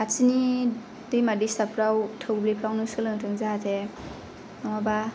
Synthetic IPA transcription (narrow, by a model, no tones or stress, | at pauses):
at͡sʰini | dɯjmadisapʰɾawtʰɯwblepʰlawnɯsɯlɯŋtʰɯŋzatʰe | nwaba